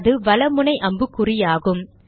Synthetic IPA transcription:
ðɯʋɐlɐmɯnɐɪʔɐmbɯkːʊrɪjaːɣɯm

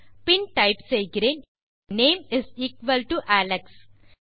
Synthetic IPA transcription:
pɪ̃nʈaɪpseːɡɾẽn | nẽːmɪziːkʋəlʈuʔæleks

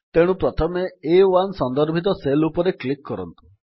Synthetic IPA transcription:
t̪eɽ̃ũpɾɔt̪ʰɔmeewansɔnd̪ɔɾbʱit̪̬ɔselupɔɾeklikːɔɾɔnt̪u̥

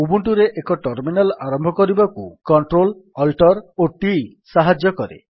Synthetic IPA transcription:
ubuɳʈuɾeʔekɔʈɔɾminalaɾɔmbʱɔkɔɾibakukɔɳʈɾolɔlʈɔɾoʈi | saɦad͡ʒjɔkɔɾḛ

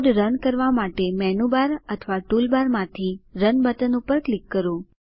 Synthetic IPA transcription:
ɖɾənkəɾʋamaʈemɛnubaɾət̪ʰʋaʈulbaɾmãt̪ʰiɾənbət̪ənupəɾklikːəɾũ

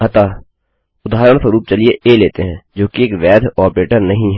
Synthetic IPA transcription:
ɐt̪aː | ʊd̪aːɦɾəɽ̃səɾuːp̚t͡ʃɐlieʔeːleːt̪eɦɛ̃ːd͡ʒoːkieːkʋɛːd̪ʱɔːpɾeːʈəɾnɐɦĩɦɛ

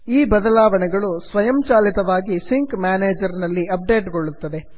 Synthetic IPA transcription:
iːbɐd̪ɐlaːʋɐɳɛɡɐɭusʋɐjɐmt͡ʃaːlit̪ɐʋaːɡisiŋkmjaːneːd͡ʒɐɾnɐlːiɐp̚ɖe̞ːʈɡoɭːut̪ːɐd̪e̞

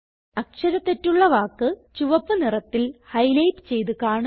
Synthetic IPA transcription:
ɐkʂɐɾɐt̪ːetːuɭːɐʋaːkːɨt͡ɕuʋɐpːɨnirɐt̪ːilhɐjlɐjpt͡ɕe̞jt̪ukaːɳɐ

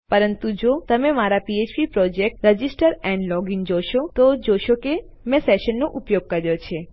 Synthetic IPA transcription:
pəɾənt̪ũd͡ʒot̪əmemaɾapiet͡ʃpipɾɔd͡ʒek̚ʈɾəd͡ʒisʈəɾɛ̃ɳɖlɔɡind͡ʒoʃot̪ɔd͡ʒoʃoke | mɛ̃seʃənːoʔupjoɡ̚kəɾjot͡ʃʰe

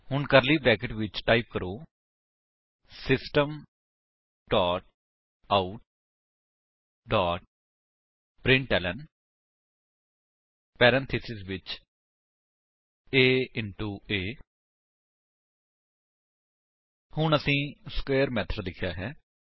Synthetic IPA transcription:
hʊɳkəɾliːbɾɛːkɪʈʋɪt͡ʃʈaːip̚kəɾoː | sɪsʈəm | ɖaːʈ̚ | aːuʈ | ɖaːʈ̚ | pɾɪ̃ɳʈɛːlɛɳ | pɛːɾɛ̃nt̪ʰɪsɪsʋɪt͡ʃ | eːɪɳʈuːeː | hʊɳəsĩːskeːəɾmɛːt̪ʰɾəɾd̪ɪkʰːja̰ːɦɛː

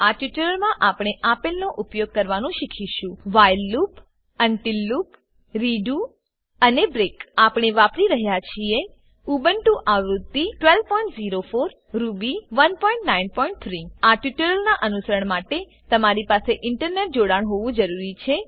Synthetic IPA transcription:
aʈjuʈəɾəlmãʔapɽ̃eʔapelnoʔupjoɡ̚kəɾʋanũʃikʰiʃũʋajlːup | ənʈilːup | ɾiɖu | ənebɾekapɽ̃eʋapɾiɾəɦjat͡ʃʰie | ubənʈũʔaʋɾud̪ːiʈʋelʋpɔiɳʈziɾofoɾ | ɾubiʋənpɔĩɳʈnainpɔĩɳʈ̚t̪ʰɾiaʈjuʈəɾəlnaʔənusəɾəɳmaʈe | t̪əmaɾipaseʔɪɳʈəɾneʈ̚d͡ʒoɽaɳɦoʋũd͡ʒəɾuɾit͡ʃʰe

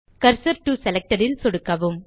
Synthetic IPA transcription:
kɐɾsɐɾʈːusɛlɛk̚ʈɐɾɪlsɔɽɯkːɐʋɯm

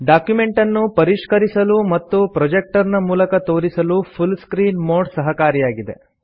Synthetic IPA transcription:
ɖaːkjume̞ɳʈɐnːupɐɾiʂkɐɾisɐlumɐt̪ːupɾɐd͡ʒek̚ʈɐɾnɐmuːlɐkɐt̪o̞ːɾisɐlupʰulskɾiːnmoːɾɖsɐɦɐkaːɾijaːɡid̪e̞̰

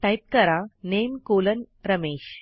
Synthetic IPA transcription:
ʈajp̚kəɾanemkoːlənɾəmeːɕ

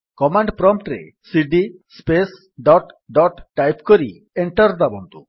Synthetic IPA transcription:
kɔmaɳɖpɾɔmpʈɾḛ | siɖispes | ɖɔʈɖɔʈːajpkɔɾi | eɳʈɔɾd̪abɔnt̪u

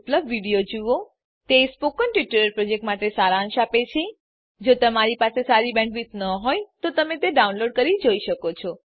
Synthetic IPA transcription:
pləbʋiɽijod͡ʒuʋo | t̪espokənʈʋiʈuɾəɾpɾɔd͡ʒek̚ʈmaʈesaɾãʃapet͡ʃʰe | d͡ʒot̪əmaɾipasesaɾibɛ̃ɳɖʋit̪nəɦojt̪ot̪əmet̪eɖaunloɖ̚kəɾid͡ʒoiʃəkot͡ʃʰɔ

